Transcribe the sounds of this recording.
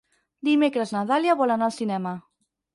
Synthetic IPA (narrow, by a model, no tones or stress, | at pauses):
d̪imekɾəznat̪aljaβɔlanaːlˠsinɛma